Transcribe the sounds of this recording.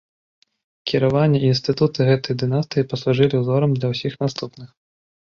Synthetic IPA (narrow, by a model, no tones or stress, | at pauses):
kʲiɾavanʲːɛinst̪ɨt̪ut̪ɨɣɛt̪ɐjd̪ɨnast̪ɨjipɐsuʐɨlʲiwzɔɾɐmd̪lʲɐwsʲixnast̪upnɨx